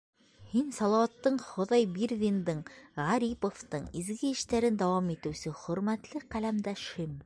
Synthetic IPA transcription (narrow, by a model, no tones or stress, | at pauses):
hinsɑlˠɑwɑt̪ːɤɴχŏðɑjbiɾðʲind̪ɤɴʁɑɾʲipoft̪ɤɴizɡɘ̆ːʃt̪æɾɘnd̪æwɑmit̪ɘ̆wsɘχɵ̆ɾmæt̪lɘqælæmd̪æʃhɘm